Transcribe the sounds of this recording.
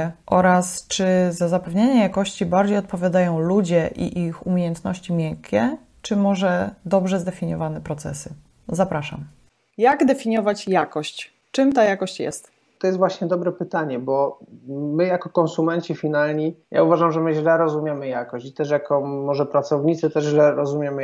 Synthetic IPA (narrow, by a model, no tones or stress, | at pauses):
ʔɔɾast͡ʂɘzazapɛvɲeɲajakɔɕt͡ɕibaɾd͡ʑejɔt̪̚pɔvʲjad̪ajɔ̃w̃lud͡ʑɛʔḭʔixumʲjejɛnt̪nɔɕt͡ɕimʲjɛkʲʰɛ | t͡ʂɘmɔʐɛd̪ɔbʐɛzd̪ɛfʲiɲɔ̰vanɛpɾɔt̪sɛ̰sɘ | zapɾaʂa̰m | jaɡd̪ɛfʲiɲɔvat͡ɕjakɔɕt͡ɕ | t͡ʂɘmt̪ajakɔɕt͡ɕjɛ̰st̪ | t̪ɔjɛsvwaɕɲɛd̪ɔbɾɛpɘt̪aɲɛbɔ | mɘjakɔkɔnsumɛnt͡ɕifʲinalɲija̰uvaʐamʐɛmɘʑlɛɾɔzumʲjemɘjakɔɕt͡ɕit̪ɛʂjakɔmɔʐɛpɾat̪sɔvɲit̪sɘt̪ɛʐʑlɛɾɔzumʲjemɘ